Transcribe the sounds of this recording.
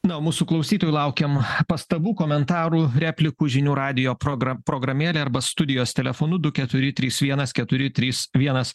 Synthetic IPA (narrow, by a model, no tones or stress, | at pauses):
nɐoːmuːsuːklˠɐʊsʲiːt̪oːjulˠɐʊkʲɛmpɐst̪ɐbuːkoːmʲɛnt̪ɑːɾuːɾʲæːpʲlʲɪkuːʒʲɪnʲuːɾɑːd̪ʲɪjoːpɾoɡɐpɾoːɡɾɐmʲeːlʲeːɐɾbɐst̪ʊd̪ʲɪjoːst̪ʲɛlʲɛfoːnʊd̪ʊkʲɛt̪ʊɾʲɪt̪ʲɾʲiːsʋʲiɛnɐskʲɛt̪ʊɾʲɪt̪ʲɾʲiːsʋʲiɛnɐs